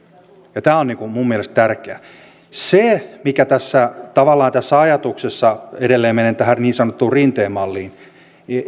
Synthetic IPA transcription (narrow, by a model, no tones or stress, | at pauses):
jɑt̪æːonniŋkumummiɛlest̪t̪ærkeæ | semikæt̪æsːæt̪ɑʋɑlːɑːnt̪æsːæɑjɑt̪uksesːɑedelːeːmenent̪æhærniːnsɑnot̪ːuːrrint̪eːmːɑlːiːn